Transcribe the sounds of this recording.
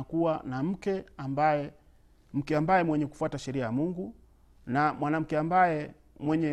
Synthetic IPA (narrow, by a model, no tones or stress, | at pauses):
kuwanam̩kɛambajɛ | m̩kɛambajɛmwɛɲɛku̥fuataʃɛɾiajamuŋɡu | namwanam̩kɛambajɛ | mwɛɲɛ